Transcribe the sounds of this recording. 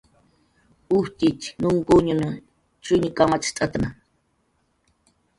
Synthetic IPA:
uht̪it͡ʃnuŋkoɲunu | t͡ʃuɲikamat͡ʃt̪ʼat̪ana

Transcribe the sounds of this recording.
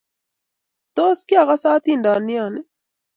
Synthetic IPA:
t̪oːskiɐɣasaːt̪ind̪aːnːijaːne

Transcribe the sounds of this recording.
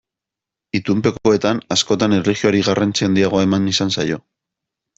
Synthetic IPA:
it̪umpe̞koe̞t̪anasko̞t̪aneriɣjo̞aɾiɣarʔant͡siand̪iaɣo̞aemanisansajo̞

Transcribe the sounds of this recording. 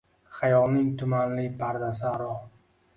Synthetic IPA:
χajɒlˠnɪŋt̪ʰʊmanlɪpʰaɾd̪asɪaɾɒ

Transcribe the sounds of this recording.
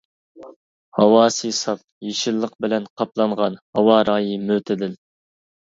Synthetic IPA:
hɑwɑːsisɑp̚jeʃɪlˠːəq̚bɪlɛnqʰɑplˠɑɴʁɑnhɑwɑɾɑːjimøt̪ʰɪd̪ɪl

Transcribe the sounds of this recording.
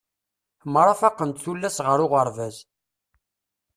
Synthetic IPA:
mɾˤɑfɑqːənt̪θulːæsʁəɾʊʁəɾˤvæz

